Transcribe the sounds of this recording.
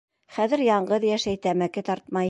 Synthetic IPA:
χæðɘ̆ɾjɑɴɢɤðjæʃæjt̪æmækɘt̪ɑɾt̪mɑj

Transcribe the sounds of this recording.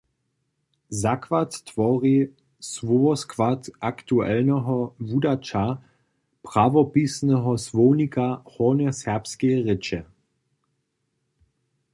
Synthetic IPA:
zakvatːvɔʁi | svɔɔskvatʔakt̪uɛ̰lnəɦɔvudat͡ʃa | pʁavɔpisnɛɦɔsvownikahɔːnɛsɛɐpskeʁɪt͡ʃɛ

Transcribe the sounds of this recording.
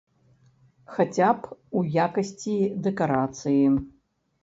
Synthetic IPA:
xat͡sʲapujakɐsʲt͡sʲid̪ɛkaɾat̪sɨji

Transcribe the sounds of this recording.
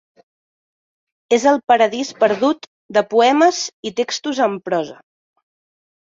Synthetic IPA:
ezəlˠpəɾəðispəɾðut̪ | d̪əpuɛməzit̪ekst̪uzəmpɾɔzə̰

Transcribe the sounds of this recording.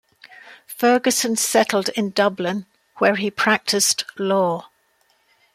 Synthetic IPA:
fɜːɡəsə̃nsɛtˡl̩ˠdɪ̃ndʌblɪ̃n | wəɹipʰɹ̥ak̚tʰɪstlɔː

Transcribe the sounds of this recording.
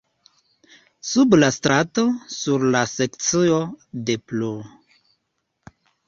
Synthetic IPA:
sublastɾato̞suɾlasekt͡siode̞plo

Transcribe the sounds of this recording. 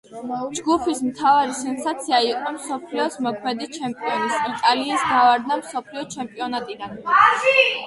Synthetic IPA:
d͡ʒɡupʰismt̪ʰavaɾisɛnsat̪sʰiaiqʼɔmsɔpʰliɔsmɔkʰmɛd̪it͡ʃʰɛmpʼiɔnisit̪ʼaliːsɡ̪avaɾd̪amsɔpʰliɔt͡ʃʰɛmpʼiɔnat̪ʼid̪an

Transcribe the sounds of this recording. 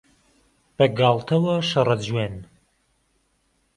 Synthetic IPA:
b̥ɐɡɑːlˠt̪ʰɐwɐʃɐrˤɐd͡ʒweːn

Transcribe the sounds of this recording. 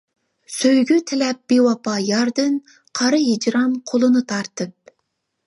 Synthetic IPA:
søjɡʲyt̪ʰɪlɛp̚b̥ewɑpɑjɑɾd̪ɨn | qʰɑɾɨjid͡ʒɾɑmqʰolˠɨnɨt̪ʰɑɾt̪ɨp̚

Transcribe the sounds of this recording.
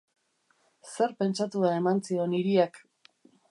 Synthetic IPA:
se̞ɾpe̞nt͡ʃat̪uae̞mant͡sio̞niɾiak

